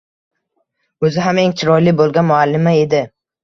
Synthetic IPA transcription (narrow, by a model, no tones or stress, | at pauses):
ɵzɪɦame̞ŋt͡ʃʰɪɾɒjlɪbolˠɡʲanmʊalːɪmae̞d̪ɪ